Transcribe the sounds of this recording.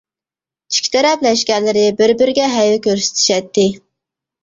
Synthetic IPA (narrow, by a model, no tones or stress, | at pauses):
t͡ʃʰi̥kʲʰi̥t̪ʰɛɾɛplɛʃkʲɛɾlɪɾɪbɪɾbɪɾɪɡʲɛɦɛjɪkʲøɾsɪ̥t̪ʰy̥ʃɛt̪ːɪ